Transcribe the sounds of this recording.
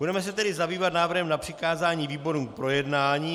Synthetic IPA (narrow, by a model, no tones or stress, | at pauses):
budɛmɛs̬ɛt̪ɛdɪzabiːvat̪naːvr̩ɦɛmnapr̝̥ɪkaːzaːɲiːviːbo̞ɾuːpɾo̞jɛdnaːɲiː